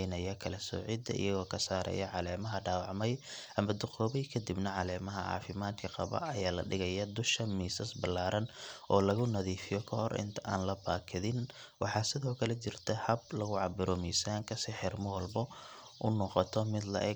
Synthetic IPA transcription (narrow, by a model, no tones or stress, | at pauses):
nɐjɐkʰɐlɐsɔ̰ːʕɪd̪ɐ̰ʔḭjɐɣɔːkʰɐsaːɾɛ̰jɐʕɑlɛːmɐɦɐɖaːwɑʕmɛjʔɐmɐd̪ʊqɔːβɛjkʰɐd̪ibnɐʕɑlɛːmɐɦɐʕɑ̰ːfɪmaːd̪kʰɐqɑ̰βɐ̰ʔɐjaːlɐ̰ɖɪɣɐjɐd̪ʊʃɐmiːsɐsbɐlːaːɾɐnʔɔːlɐɣʊnɐðiːfɪjɔkʰɐhɔɾɪ̰nt̪ʰɐʔa̰ːnlɐbaːkʰɪðɪn | wɑħɑːsɪðɔːkʰɐlɛt͡ʃɪrt̪ʰɐhɐblɐɣʊʕɑbɪɾɔmiːsaːŋkʰɐsɪħɪrmɐwɐlbɔ | ʔʊnɔqɔt̪ʰɔmɪd̪lɐ̰ʔɛ